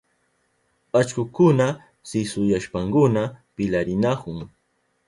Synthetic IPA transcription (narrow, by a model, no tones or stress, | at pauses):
at͡ʃkʊkʊna | sɪsʊjaʃpaŋkʊnapɪlaɾɪnakʊŋ